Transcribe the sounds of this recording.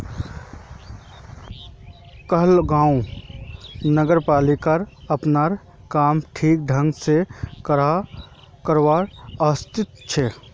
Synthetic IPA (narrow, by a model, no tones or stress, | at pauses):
kəɦlɡãːũ | nəɡəɾpaːlikaɾɐpnaːɾ | kaːmʈʰiːk̚ɖʱə̃ŋɡsekɾa | kəɾwaːɾəst̪ɪt̪t͡ʃʰɛː